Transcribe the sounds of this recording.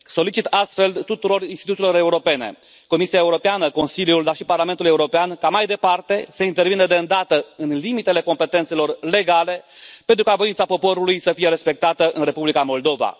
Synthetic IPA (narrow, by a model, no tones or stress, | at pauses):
so̞lit͡ʃit̪ast̪fe̞lt̪ut̪uɾo̞rinst̪it̪ut̪silo̞ɾe̞uɾo̞pe̞ne̞̰ | ko̞misiaeuɾo̞peanəko̞nsiljuld̪arʃiparlament̪ule̞uɾo̞peankamajd̪e̞part̪e̞səint̪e̞rvinəd̪eɨnd̪at̪əɨnlimit̪e̞le̞ko̞mpe̞t̪e̞nt̪se̞lo̞rle̞ɡale̞pent̪ɾukavo̞int̪sapo̞po̞ɾulujsəfije̞ɾe̞spe̞k̚t̪at̪əʔɨnre̞publikamo̞ld̪o̞va̰